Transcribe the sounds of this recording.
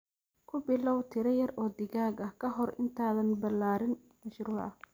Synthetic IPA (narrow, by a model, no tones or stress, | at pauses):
kʰʊbɪlɔwt̪ʰɪɾɐjɐrɔːd̪ɪɣaːɡɐkʰɐɦɔrɪ̰nt̪ʰaːðɐnbɐlaːɾɪn | mɐʃɾuːʕɐ